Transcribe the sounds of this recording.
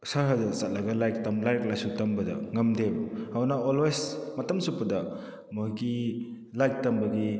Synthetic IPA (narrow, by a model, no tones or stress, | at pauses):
saɾɦadɐsat̚lɐɡɐlajk̚tɐmlajk̚lajsutɐmbɐdɐ̰ŋɐmdebhawnaolwesmɐtɐmsupːɐdɐ | mɔɡi | lajk̚tɐmbɐɡi